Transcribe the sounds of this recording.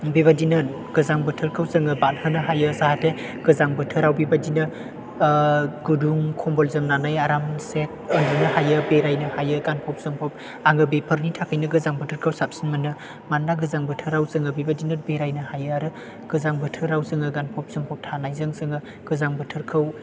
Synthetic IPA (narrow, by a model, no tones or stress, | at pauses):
beβadinɯn | ɡ̥ɯzaŋbɯtʰɯɾkʰɯwzɯŋɯbat̚hɯnɯɦajɯsahatʰeɡ̥ɯzaŋbɯtʰɯɾawbibadinɯ | ɡuduŋkʰɔmbɔlzɯmnanajaɾamsek̚əndɯnɯhajɯbeɾajnɯhajɯɡanpʰɔp̚sɯŋpʰɔp̚ | aŋɯbepʰɯɾnitʰakʰajnɯɡɯzaŋbɯtʰɯɾkʰɯwsap̚sinmɯnɯ | manːaɡɯzaŋbɯtʰɯɾawzɯŋɯbibadinɯnbeɾajnɯhajɯaɾɯ | ɡ̥ɯzaŋbɯtʰɯɾawzɯŋɯɡanpʰɔp̚sɯŋpʰɔp̚tʰanajzɯŋsɯŋɯ | ɡ̥ɯzaŋbɯtʰɯɾkʰɯw